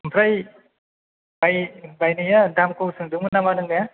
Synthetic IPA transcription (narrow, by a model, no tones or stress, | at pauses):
mpʰɾaj | bajbajnɯjadamkowsɯŋdɯŋmɯnamanɯŋnaja